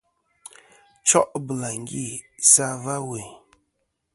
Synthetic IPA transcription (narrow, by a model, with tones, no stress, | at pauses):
t͡ʃɔ˦ʔbə˨la˨ŋ˦ɡi˦˨ | sa˦va˦we˨